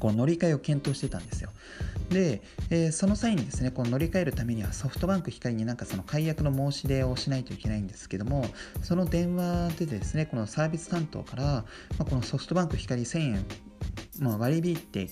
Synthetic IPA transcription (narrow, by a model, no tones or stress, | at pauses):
ko̞ːno̞ɾʲikaio̞kẽ̞nt̪o̞ːɕi̥t̪e̞t̪ã̰nd̪e̞sɨjo̞ | d̪e̞ː | so̞no̞saĩɲ̟ːid̪e̞sɨne̞ko̞ːno̞ɾʲikae̞ɾɯ̟t̪ame̞ɲ̟iβaso̞ɸɯ̟̥t̪o̞bãŋkɯ̟çʲi̥kaɾʲiɲ̟inãŋkaso̞nokaijakɯ̟no̞mo̞ːɕid̪e̞o̞ɕinait̪o̞ike̞naĩnd̪e̞̥sɨ̥ke̞d̪o̞mo̞so̞no̞d̪ẽ̞ɰ̃βad̪e̞d̪e̞sɨne̞ko̞nosaːbʲisɨ̥t̪ãnt̪o̞̰ːkaɾa | mako̞no̞so̞ɸɯ̥t̪o̞bãŋkɯ̟çʲi̥kaɾʲisẽĩ | maβaɾʲibʲit̪ːe̞̰